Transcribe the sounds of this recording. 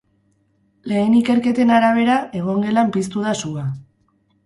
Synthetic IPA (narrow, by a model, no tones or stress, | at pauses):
le̞ːnike̞ɾke̞t̪e̞naɾaβ̞e̞ɾae̞ɣ̞o̞ŋɡe̞lampist̪uðasua